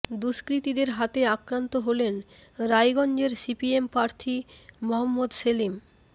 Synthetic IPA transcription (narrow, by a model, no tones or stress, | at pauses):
d̪uʃkɾit̪id̪eɾɦat̪eakɾant̪oɦolenɾajɡɔnd͡ʑeɾsipiempɾaɾt̪ʰimɔɦɔmːod̪ʃelim